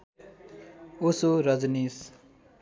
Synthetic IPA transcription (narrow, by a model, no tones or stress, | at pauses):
osoɾʌd͡znis